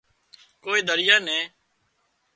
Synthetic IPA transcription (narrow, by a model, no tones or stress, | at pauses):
koːiːd̪əɾɪjaːnɛ̃ː